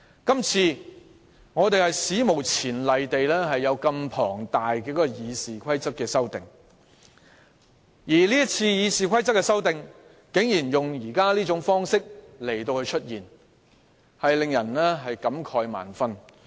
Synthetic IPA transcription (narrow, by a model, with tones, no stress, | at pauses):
kɐ˥mt͡sʰiː˧ | ŋɔː˨˧t̪e˨jhɐ˨jsiː˨˥mo˨˩wt͡sʰiː˨˩nlɐ˨jt̪e˨jlɛː˥ɦɐ˨jːɐ˨˧wkɐ˧mpʰɔː˨˩ŋt̪aː˨jkɛː˧kɔ˨˥˧jiː˨˧siː˨˩kʰɐ˥jt͡sɐ˥t̚kːɛː˧sɐ˥wt̪ɪ˨ŋ | jiː˨˩liː˥jɐ˥t͡sʰiː˧jiː˨˧siː˨kʷʰɐ˥jt͡sɐ˥t̚kːɛː˧sɐ˥wt̪ɪ˨ŋ | kɪ˨˥ŋjiː˨˩njʊ˨ŋjiː˨˩kaː˥liː˥t͡sʊ˨˥ŋfɔː˥ŋsɪ˥k̚le˨˩jt̪o˧whɵ˧ɥt͡ʃʰɵ˥t̚jiː˨˩n | hɐ˨jlɪ˨ŋjɐ˨˩nlɛː˥ɦɐ˨jkɐ˨˥mkʰɔː˧jma̰ː˨˩nfɐ˥n